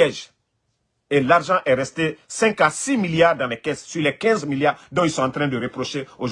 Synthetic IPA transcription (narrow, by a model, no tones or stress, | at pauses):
ɛʒ | elaʁʒɑ̃ʔɛɾɛst̪esɛ̃ŋkasimiljaːʁd̪ãlɛkɛssyʁlɛkɛ̃zmiljaːʁd̪ɔ̃ilsɔ̃ɑ̃t̪ɾɛ̃d̪əɾepɾoʃeoʒ